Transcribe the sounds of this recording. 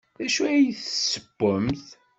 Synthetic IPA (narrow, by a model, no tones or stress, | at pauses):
æʃuæjiθsəb̥ːəmθ